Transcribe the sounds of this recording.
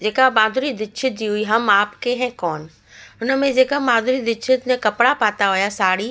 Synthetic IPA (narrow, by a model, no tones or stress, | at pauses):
d͡ʑeːkabãːnd̪ʱʊɾid̪ɪt͡ʃʰɪt̪̚d͡ʑiːɦʊiɦɐmaːpkeɦɛ̃ːkɔːn | ʊnə̆mẽd͡ʑeːkamãːd̪ʱʊɾid̪ɪt͡ʃʰɪt̪mẽkɐpɽapaːt̪aɦʊjasaːɽiː